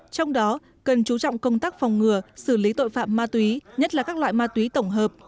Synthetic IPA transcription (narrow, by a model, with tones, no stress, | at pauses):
t͡ɕɔ˧wŋ͡mɗɔ˨˦ | kə˨˩nt͡ɕu˨˦t͡ɕɔ̰˧˨wŋ͡mkə˧wŋ͡mt̪aː˦˥k̚fɔ˨˩wŋ͡mŋɨ˨˩əsɨ˧˩li˨˦t̪o̰˧˨jfa̰ː˧˨mːaː˧t̪wi˨˦ɲə˦˥t̚laː˨˩kaː˦˥k̚la̰ː˧˨jmaː˧t̪wi˨˦t̪ə˧˩wŋ͡mɦəː˨˩p̚